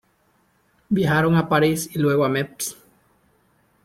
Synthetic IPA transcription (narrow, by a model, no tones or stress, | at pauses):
bjaxaɾoŋapaɾisilwe̞ɣoameps